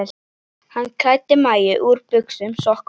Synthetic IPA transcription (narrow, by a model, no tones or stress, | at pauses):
hanːkʰœjt̪ːɪmaːjɪʔuːɾpʏksʏmsɔhk